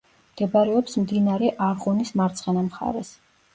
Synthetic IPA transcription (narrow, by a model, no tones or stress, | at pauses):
mɡ̪̥ɛbaɾɛɔpsmd̪inaɾɛʔaɾʁunismaɾt̪sʰʼχɛnamχa̰ɾɛs